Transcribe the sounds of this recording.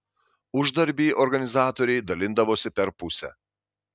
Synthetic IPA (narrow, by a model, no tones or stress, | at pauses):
ʊʒd̪ɐɾʲbʲiːʔɔɾɡɐnʲɪzɑːt̪oːɾʲɛɪd̪ɐlʲɪnd̪ɐʋoːsʲɪpʲɛɾpʊsʲɛ̰